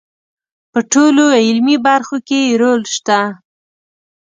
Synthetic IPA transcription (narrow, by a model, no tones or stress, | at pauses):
pəʈoloɪlmibaɾxokeɾolʃt̪a